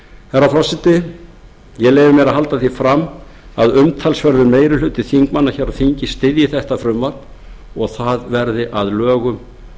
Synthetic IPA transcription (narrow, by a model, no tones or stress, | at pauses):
hɛrːafɾasɪt̪ɪ | jɛɣleːjvɪmɛɾaɦalt̪aθifɾamː | aðʏmt̪ʰalsvɛɾðʏmeːjɾɪlʏːt̪ɪθiŋkmanːaçɛːɾaðθiɲcɪst̪ɪðjɪθɛht̪afɾʏmvat̪n | ɔɣθaðvɛɾðɪʔaðlœːɣʏm